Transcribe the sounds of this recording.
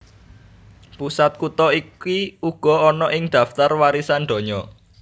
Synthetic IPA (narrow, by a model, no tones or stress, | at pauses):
pusat̪̚kut̪ɔikiuɡ̥ɔ̤ɔnɔʔɪŋd̪̥a̤ft̪arwaɾisanɖ̪ɔ̤ɲɔ